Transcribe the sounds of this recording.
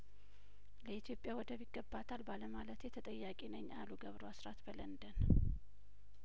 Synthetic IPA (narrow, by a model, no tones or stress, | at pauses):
ləit̪ʰjo̞pʼjawɔd̪əβiɡːəbːat̪ʰalbaləmalət̪jɛt̪ʰət̪ʼəjːakʼinəɲːʔaluɡəβɾoasɾat̪bələnd̪ən